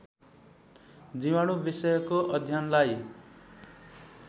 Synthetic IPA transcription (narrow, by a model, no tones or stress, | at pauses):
d͡ziwaɽ̃ubisʌjʌkoʔʌd̪ʱjanlaj